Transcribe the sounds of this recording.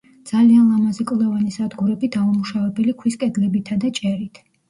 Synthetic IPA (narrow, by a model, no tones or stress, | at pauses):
d̪z̥alianlˠamazɛkʼlˠɛvanisad̪ɡuɾɛbit̪ʰaumuʃavɛbɛlikʰwiskʼɛd̪lɛbit̪ʰad̪at͡ʃʼɛɾit̪ʰ